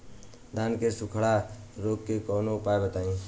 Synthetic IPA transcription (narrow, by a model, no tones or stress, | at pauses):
d̪ʱankesukʰɽa | ɾoɡkekɔnopaebet̪aĩ